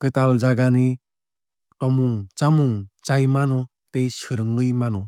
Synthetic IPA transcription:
kɯtalzaɡani | tɔmuŋt͡ʃamuŋt͡ʃajmanɔ | tejsɯɾɯŋɯjmanɔ

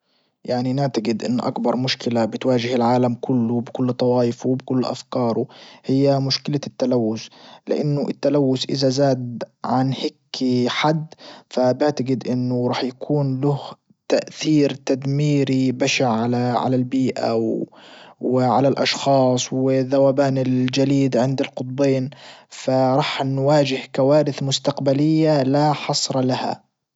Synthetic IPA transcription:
jaʕninaʕt̪aɡɪd̪ʔɪnːʔa̰kbɑɾˤmʊʃkɪlabɪt̪waːʒɪhɪlʕaːlamkʰʊlːʊbɪkʊlːt̪ˤɑwɑːʔɪfubɪkʊlːʔa̰fkɑːɾˤʊhɪjːamʊʃkɪlat̪ːalawːʊslɪ̰ʔanːʊʔɪt̪ːalawːʊsʔɪzazaːd̪ʕanhɪkːiħad̪ːfabɪʕt̪aɡɪd̪ʔɪnːʊɾˤɑːħjakʰuːnlʊh | t̪aʔθiːɾt̪ad̪miːɾibaʃaʕʕalaʕa̰lalbiːʔa̰w | wɪʕalalʔɑʃxɑːsˤwɪðawaːbaːnɪld͡ʒaliːd̪ʕɪnd̪ɪlqʊt̪̚ˤbeːnfaɾˤɑːħnwaːd͡ʒɪhkawaːɾɪθmʊst̪aqbalɪjːalaħɑsˤɾˤɑlaha̰

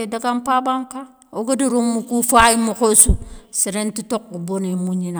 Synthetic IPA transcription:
edaɡampabaŋka | oɡadiɾumːukufaimukosusiɾentitokːubonemuɲina

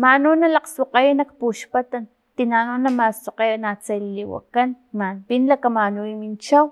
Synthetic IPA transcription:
manunalaqsoqejanak̚puʃpat̪an | t̪inanonamasoqejanat͡sajliwa̰kan | manpinlakamanuimint͡ʃaw

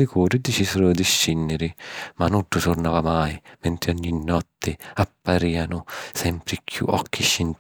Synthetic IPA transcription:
ɪkʰuːɾɪd̪it͡ʃisɪɾʊd̪iʃːinːɪɾɪmanːuɖːʊsʊrnaːvamajmɛnt̪ɾɪɔɲːinːɔt̪ːɪapːaɾiːanʊsɛmpɾɪkʰːjṵʔɔ̰kʰːiʃːɪn

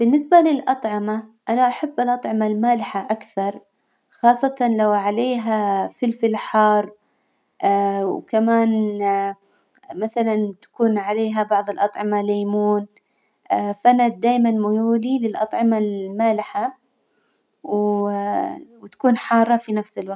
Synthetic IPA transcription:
b̥ɪnːɪsbalɪlʔɑt̪ˤʕɑmaʔanaʔaħabːalʔɑt̪ˤʕɪmalmaːlɪħaʔakθɑɾˤ | xɑːsˤːɑt̪ɑnlawʕaleːɦafɪlfɪlħɑːɾˤ | ʔwkamaːn | maθalant̪ḁkuːnʕaleːɦabɑʕðˤɪlʔɑt̪ˤʕɑmalaːmuːn | fʔanad̪aːjmanmʊjuːlilɪlʔɑ̰t̪ˤʕɪmalmaːlɪħa | w | wt̪ḁkuːnħɑːɾˤːɑfinafsɪlwaɡ̪

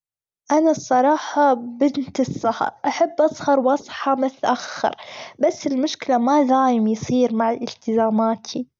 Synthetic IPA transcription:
ʔanasˤːɑɾˤɑːħɑbɪnt̪ɨsˤːɑhɑ̰ɾˤʔaħabːʔɑsˤhɑɾˤwʔɑsˤħɑmʊt̪ʔaxːɪ̰ɾbasːɪlmʊʃkɪlamad̪aːjɪmjsˤiːɾmaʕaʔɪlt̪ɪzaːmaːt̪ʰi

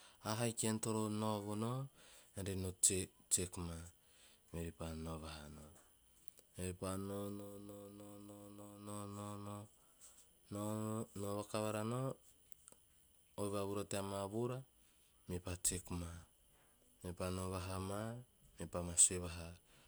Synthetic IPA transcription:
aɦajkentoɾonoβunoeɾenot͡ʃt͡ʃekma | meɾipanoβaɦano | meɾipanonononononononono | nonoβakaβaɾano | jβaβuɾoteamaβuɾa | mepat͡ʃekma | mepanoβaɦamamepamaseβaɦa

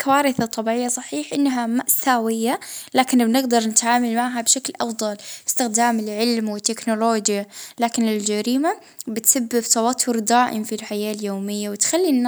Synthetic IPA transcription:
kawaːɾɪθat̪ˤːɑbiːʕɪjːasˤɑħiːħʔɪnːɦamaʔsaːwɪjːalaːkɪnbnɪɡd̪ɑɾˤnɪt̪ʕaːmalmaʕɦabʃaklʔɑfðˤɑlɪ̥st̪ɪxd̪aːmɪlʕɪlmwɪt̪ːɪknʊloːd͡ʒjalaːkɪnɪld͡ʒaɾiːma | bɪt̪sabːɪbt̪ˤɑwɑt̪ʰːʊɾd̪aːʔɪmfilħajaːljoːmɪjːawɪt̪xalːinː

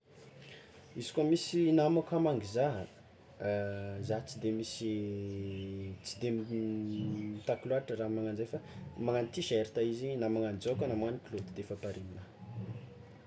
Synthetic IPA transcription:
izi̥kʲomisinamakamaŋɡizaɦ | zat͡sid̪emisi | t͡sid̪em | t̪akluaaʈ͡ʂəɾamaŋand͡ʒefamaŋant̪iʃeɾit̪aizinamaŋand͡zakʲanamanikilod̪d̪efapaɾimina

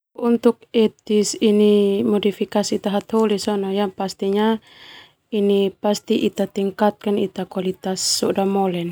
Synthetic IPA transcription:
unt̪uk̚ɛt̪isinimɔdifikasiːt̪aɦat̪hɔlisɔnɔjapast̪iɲa | inipast̪iʔit̪at̪iŋkat̪̚kanit̪akwalit̪asːɔdamɔlɛn

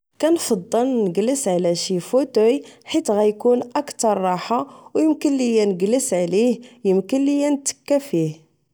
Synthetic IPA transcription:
kænfɑd̪ˤːəlnəɡləsʕlæʃifot̪ujħit̪ɣæjkunʔəkt̪ɑɾˤːɑħawjəmkənlijænəɡləsʕlihjəmkənlijænt̪ə̥kːæfih

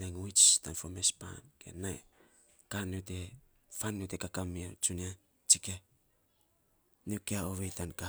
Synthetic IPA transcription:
naŋuit͡ʃtanfomespa̰nkḛnaj | kaniote̞ | fanːiotekakamio̰t͡ʃunia | t͡ʃike | niokeaoβejtanka

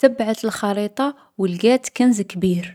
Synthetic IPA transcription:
t̪əbːʕat̪əlxɑɾit̪ˤɑ | wəlɡæt̪kænzəkːbiɾ

